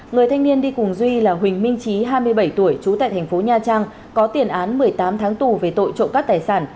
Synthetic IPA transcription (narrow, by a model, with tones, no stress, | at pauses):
ŋɨ˨˩əjt̪ʰa˧jŋ̟ni˧ənɗi˧kʊ˨˩ŋzwi˧laː˨˩ɦwï˨˩ŋ̟mï˧ŋ̟t͡ɕi˨˦ɦaː˧jmɨ˧əjɓə˧˩jt̪u˧˩əjt͡ɕu˨˦t̪a̰ː˧˨jt̪ʰŋ̟fo˨˦ɲaː˧˩t͡ɕaː˧ŋ | kɔ˨˦t̪i˨˩ənʔaː˨˦nmɨ˨˩əjt̪aː˨˦mt̪ʰaː˨˦ŋt̪u˨˩ve˨˩t̪o̰˧˨jt͡ɕo̰˧˨nkaː˦˥k̚t̪aː˨˩jsaː˧˩n